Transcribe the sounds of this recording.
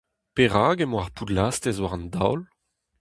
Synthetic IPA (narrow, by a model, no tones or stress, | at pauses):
peʁaːɡemoaʁpʰudlast̪ezwaʁɑ̃nda̰wl